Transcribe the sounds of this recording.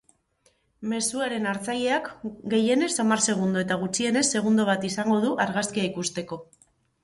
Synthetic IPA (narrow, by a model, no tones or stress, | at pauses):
me̞suaɾe̞naɾt͡saje̞akɡe̞je̞ne̞samarse̞ɣ̞und̪o̞e̞t̪aɣ̞ut͡ʃie̞ne̞sːe̞ɣ̞und̪o̞β̞at̪isaŋɡo̞ð̞uʔaɾɣaskiaikust̪e̞ko̞